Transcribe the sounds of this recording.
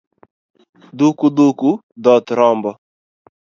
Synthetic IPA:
d̪ukud̪uku | d̪ɔt̪ɾɔmbɔ

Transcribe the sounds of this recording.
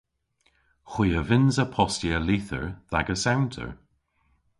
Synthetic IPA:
xwiːəvɪnzəpʰɔstiəliːθə̰ɹða̰ɡəsawntʰə̰ɹ

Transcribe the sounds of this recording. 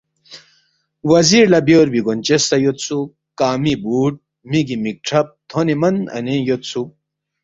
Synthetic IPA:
wɐziɾlɐbjoːɾbiɡont͡ɕest̪ɐjot̪t͡sʰu | kaːmibuːʈ̚ | miɡimik̚ʈ͡ʂʰɐp̚t̪ʰonimɐnɐ̰nejot̪sʰu

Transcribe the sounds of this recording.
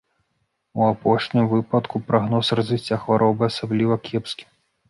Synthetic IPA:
uapɔʂnʲimvɨpɐt̪kupɾaɣnɔsrɐzvʲisʲt͡sʲːaxvaɾʔɔbɨasablʲivɐkʲɛpskʲi̥

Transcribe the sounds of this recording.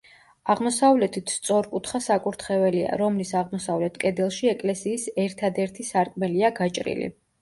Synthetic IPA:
aʁmɔsavlɛt̪ʰit̪ʰst̪sʼɔɾkʼut̪ʰχasakʼuɾt̪ʰχɛvɛlia̰ɾɔmlisaʁmɔsavlɛt̪ʰkʼɛd̪ɛlˠʃiɛkʼlɛsiːsɛɾt̪ʰad̪ɛɾt̪ʰisaɾkʼmɛliaɡat͡ʃʼɾḭlḭ

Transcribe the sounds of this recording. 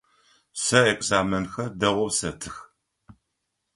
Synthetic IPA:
sɐekʼzaːmɐnxɐrdɐʁʷɔsɐtʰɨx

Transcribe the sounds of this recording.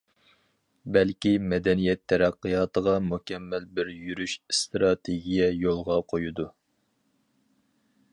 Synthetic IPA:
bɛlkʲimɛd̪ɛnijɛt̪ʰːɛɾæqːɨjɑːt̪əʁɑmukʲʰɛmːælbɪɾjyɾyʃst̪ɾɑt̪ʰeɡʲijɛjolˠʁɑqʰojud̪u

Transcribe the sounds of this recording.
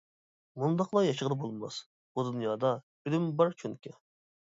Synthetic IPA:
mund̪ɑqlˠɑjɑʃəʁd̪ɨbolˠmɑ̰s | bud̪unjɑːd̪ɑ | yd̪ɪmbɑɾt͡ʃʰuŋkʲɛ

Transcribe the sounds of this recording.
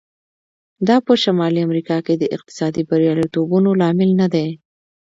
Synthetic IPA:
d̪ɑpəʃamɑliamɾikɑked̪əʔɪq̚t̪ɪ̥sɑd̪ibaɾjɑlijt̪obunolɑmɪlnad̪e

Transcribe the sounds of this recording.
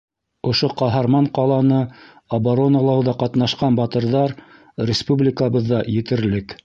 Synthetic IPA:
ŏʃoqɑɦɑɾmɑɴqɑlˠɑnɤ | ɐbaɾo̞nɑlˠɑwðɑqɑt̪nɑʃqɑnbɑt̪ɤ̆ɾðɑɾ | ɾʲɪspublʲɪkəβɤðːɑjɘ̆t̪ɘ̆ɾlɘk

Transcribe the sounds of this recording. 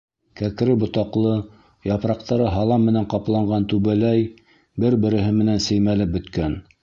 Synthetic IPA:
kæk̆ɾɘbŏt̪ɑqlˠɤ | jɑpɾɑq̚t̪ɑɾɤɦɑlˠɑmːɘ̆næɴqɑplˠɑɴɢɑnt̪ʉβælæj | bɘɾbɘ̆ɾɘ̆ɦɘmɘ̆nænsɘ̆jmælɘp̚bɵ̆t̪kæn

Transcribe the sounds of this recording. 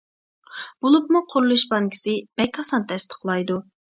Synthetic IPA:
b̥olˠupmuqʰʊɾlˠɨʃbɑŋkʲʰi̥sɪb̥ɛkʲʰɑsɑnt̪ʰɛst̪ʰə̥qlˠɑjd̪u

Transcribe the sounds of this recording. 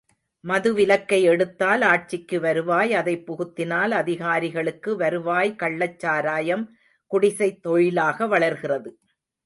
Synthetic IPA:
mɐðɯʋɪlɐkːɐɪɛɽɯt̪ːaːlaːʈ̚t͡ʃɪkːɯʋɐɾɯʋaːjɐðɐɪpːɔɣɯt̪ːɪnaːlɐðɪɣaːɾɪɣɐɭɯkːɯʋɐɾɯʋaːjkɐɭːɐt͡ʃːaːɾaːjɐm | kʊɽɪsɐɪt̪ːɔɻɪlaːɣɐʋɐɭɐɾɣɪrɐðɯ

